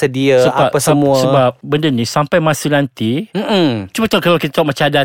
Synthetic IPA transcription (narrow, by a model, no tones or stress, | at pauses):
sədiassəaapasəmũsəbap̚bəndənĩsampajmãsilant̪imm̩t͡ʃumat̪okalawkit̪at̪aʔmat͡ʃaada